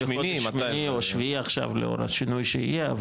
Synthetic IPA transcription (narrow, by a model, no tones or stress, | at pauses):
eioiminioʃviaχʃa̰vleo̞̰ɾa̰ʃinujʃeijeav